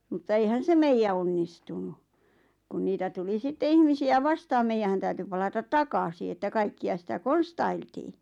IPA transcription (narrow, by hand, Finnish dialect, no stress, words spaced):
mutːɑ eihæn se meijæ onːistunu kun niːtæ tuli sitːe ihmisiæ ʋɑstɑːm meijæhæn tæyty pɑlɑtɑt tɑkɑsi etːæ kɑikːiɑ sitæ konstɑiltiː